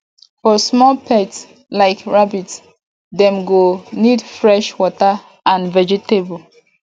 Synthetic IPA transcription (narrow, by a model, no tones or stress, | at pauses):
fɔsmɔlpʰɛts | laɪkɹabits | dɛ̃mɡonidfɹɛʃwɔtə | ãnvɛd͡ʒɛtebl